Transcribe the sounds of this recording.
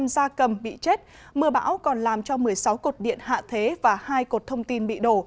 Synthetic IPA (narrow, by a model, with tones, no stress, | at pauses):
mzaː˧kə˨˩mɓḭ˧˨t͡ɕe˦˥t̚ | mɨ˧əɓa̰ː˧˥wkɔ˨˩nlaː˨˩mt͡ɕɔ˧mɨ˨˩əjsa˨˦wko˨˩t̚ɗḭ˧˨ənɦa̰ː˧˨t̪ʰe˨˦vaː˨˩haː˧jko˨˩t̚t̪ʰə˧wŋ͡mt̪i˧nɓḭ˧˨ɗo˧˩